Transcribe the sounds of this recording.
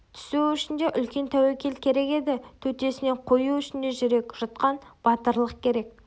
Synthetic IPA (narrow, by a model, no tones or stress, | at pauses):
t̪ʰʏ̥suʏʃɪnd̪e̞ʔʏlkʲe̞nt̪ʰæwekʲe̞lkʲʰe̞ɾe̞ke̞d̪ɪt̪ʰɵt̪e̞sɪne̞ɴqʰo̞juʏʃɪnd̪e̞ʒʏɾe̞kʒ̥ɑt̪̚qɑnb̥ɑt̪əɾlˠəq̚kʲʰe̞ɾe̞k̚